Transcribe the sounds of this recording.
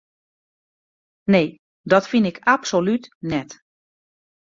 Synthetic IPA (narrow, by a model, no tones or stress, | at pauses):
neː | dɔtfinɪkʰapsolytnɛt